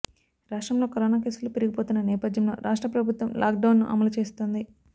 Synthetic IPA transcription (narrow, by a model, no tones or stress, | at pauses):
ɾaːʂʈɾɐmlo̞ːkɐɾoːnaːke̞ːsulupeɾiɡipoːt̪unːɐnɛːpɐd̪jɐmlo̞̰ːɾʔaːʂʈɾɐpɾɐbʱut̪ʋɐmlʔa̰ːk̚ɖɐwnːṵʔɐ̰mɐlut͡ʃe̞ːst̪oːnd̪i